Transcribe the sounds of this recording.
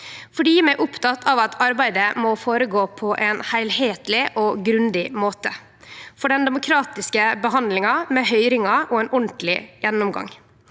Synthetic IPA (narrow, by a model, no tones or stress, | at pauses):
fɔɖiːmæʔʊpt̪ʰɑt̪ʰːɑʋɑt̪ʰɑɾbæɪd̪əmɔfoːɾəɡoːpʰɔʔɛnhæɪlheːt̪lɪʔɔɡɾʉnd̪ɪmoːt̪ə | fɔɖɛnd̪ɛmʊkʰɾɑːt̪ɪskəbəɦɑnd̪lɪŋɑmɛɦœʏɾɪŋɑɔɛnʔɔɳt̪lɪjɛnːʊmɡɑ̰ŋ